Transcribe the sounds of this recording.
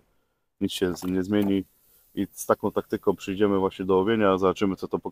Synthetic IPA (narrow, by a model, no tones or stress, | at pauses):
ɲit̪sɕɛɲɛzmʲjeɲi | ist̪akɔ̃w̃t̪ak̚t̪ɘkɔ̃w̃pʂɘjd͡ʑɛmɘvwaɕɲɛd̪ɔwɔvʲjeɲazabat͡ʂɘmɘt̪sɔt̪ɔpɔ